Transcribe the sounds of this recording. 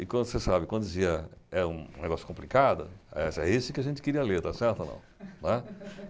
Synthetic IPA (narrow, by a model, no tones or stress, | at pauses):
ɪkwɐ̃d̪ʊsesabɪkwɐ̃d̪ʊdd͡ʒɪziɐɛɾũnḛɡɔsjʊ̥kõplikad̪ʊ̰ɛsɛisʊkɪaʒẽnt͡ʃɪ̥kɪɾiɐleɾt̪asɛɾt̪onɐ̰̃w̃nɛ